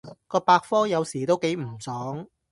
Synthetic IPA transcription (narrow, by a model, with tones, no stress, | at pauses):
kɔː˧paː˧k̚fɔː˥jɐ˨˧wsiː˨˩t̪o˥wke˨˥jm̩˨˩sɔː˨˥ŋ